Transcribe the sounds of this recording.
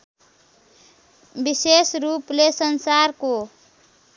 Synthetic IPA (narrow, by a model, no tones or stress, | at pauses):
bisesɾuplesənsaɾko